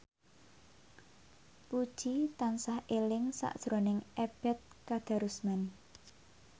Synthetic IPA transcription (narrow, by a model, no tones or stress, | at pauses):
pud̥ʒ̥it̪ansahʔelɪŋsa̰ʔd̥ʒ̥ɾonɪŋʔeb̥ɛt̪̚kad̪̥a̤ɾusman